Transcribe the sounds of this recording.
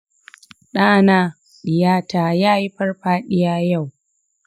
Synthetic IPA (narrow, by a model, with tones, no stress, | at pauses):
ɗaː˦naː˦ | ɗɪ˨jaː˦taː˨jaː˦ji˦ɸɐ˦rɸaː˦ɗɪ˦jaː˦ja˦˨w